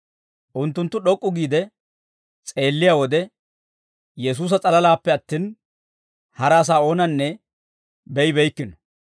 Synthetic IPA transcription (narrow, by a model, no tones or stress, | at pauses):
ʔʊnt̪ːʊnt̪ːʊɗɔkʼːʊɡiːd̪ɛ | t͡sʼe̞ːlːɪjaːwɔd̪ɛ | jɛs̬uːs̬ɐt͡sʼɐlɐlaːpːɛɐt̪ːiːn | hɐɾaːs̬aːo̞ːnɐnːɛ | bɛjɪbɛjkːɪnɔ̥